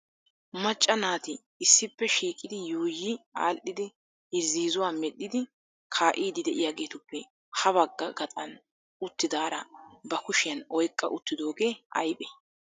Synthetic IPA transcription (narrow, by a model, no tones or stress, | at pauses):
mɐt͡ʃʼːɐnaːt̪ɪː | sːɪpːɛʃiːkʼɪd̪ɪjuːjia̰ːlʔɪd̪ɪ | ɪɾziːzʊwaːmɛɗːɪd̪ɪ | kʰaːʔiːd̪ɪd̪ɛʔɪjaːɡe̞ːt̪ʊpːɛ | hɐβɐɡːɐɡɐt̪ʼɐn | ʊt̪ːɪd̪aːɾɐbɐkʊʃɪjɐnɔjkʼːɐ̰ʔʊt̪ːɪd̪o̞ːɡe̞ːɐ̰jpʼɛ